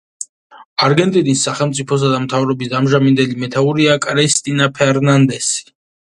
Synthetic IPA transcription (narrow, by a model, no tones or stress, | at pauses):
aɾɡɛnt̪ʼinisːaχɛlˠmt̪sʼipʰɔs̬ad̪amt̪ʰavɾɔbisd̪amʒamind̪ɛlimɛt̪ʰauɾiakʼɾɛst̪ʼinapʰɛɾnand̪ɛsi̥